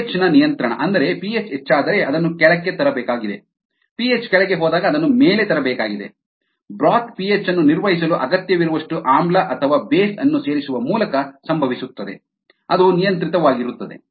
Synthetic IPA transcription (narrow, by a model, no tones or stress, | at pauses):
t͡ʃːnɐnijɐnt̪ɾɐɳɐ̰ʔɐnd̪ɐɾe̞piet͡ʃet͡ʃːaːd̪ɐɾe̞ʔɐd̪ɐnːukɛɭɐkːe̞t̪ɐɾɐbɛːkaːɡid̪e̞̰ | piet͡ʃkɛɭɐɡe̞ɦɔːd̪aːɡɐːd̪ɐnːumeːle̞t̪ɐɾɐbɛːkaːɡid̪e̞̰ | bɾaːt̪pijet͡ʃːɐnːuniɾʋɐɦis̬ɐluʔɐɡɐt̪jɐʋiɾuʋɐʂʈuʔaːmblɐʔɐt̪ʰɐʋaːbeːsɐnːuse̞ːɾisuʋɐmuːlɐkɐsɐmbʱɐʋisut̪ːɐd̪e̞̰ | ɐd̪unijɐnt̪ɾit̪ɐʋaːɡiɾut̪ːɐd̪e̞̰